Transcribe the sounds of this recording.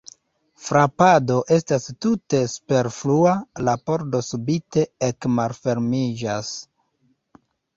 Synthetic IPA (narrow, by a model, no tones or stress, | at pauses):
fɾapado̞ʔe̞stastute̞su̥pe̞ɾflualapo̞ɾdo̞subite̞ekmalfe̞ɾmid͡ʒas